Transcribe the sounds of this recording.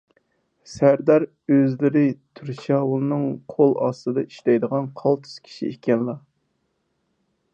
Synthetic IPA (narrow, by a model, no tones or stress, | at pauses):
sæɾd̪ɑɾ | øzlɪɾɪt̪ʰyɾʃɑwulˠɨnɨŋqʰolˠɑ̰st̪ɨd̪ɑi̥ʃlɛjd̪əʁɑnqʰɑlˠt̪ʰu̥z̥kʲʰi̥ʃḭekʲɛnlˠɑ